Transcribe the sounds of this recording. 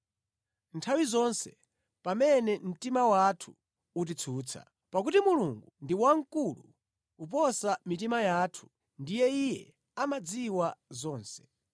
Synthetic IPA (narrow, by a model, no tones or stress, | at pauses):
ntʰawizɔnsɛ | pamɛnɛm̩timawatʰu̥ | ut̬it͡sʰuːt͡sʰa̰ | pak̬utimuluŋɡundiwaŋkulṵː | p̬ɔsamitimajaːtʰu̥ | ndijɛijɛ | amad͡ziwazɔːnsɛ̥